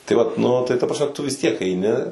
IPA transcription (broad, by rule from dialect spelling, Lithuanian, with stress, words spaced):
tɐɪ ʋɐt nʊ tɐɪ tɐ prɐsʲˈmʲɛ tʊ ʋʲɪs tʲiɛk ɛɪˈnʲɪ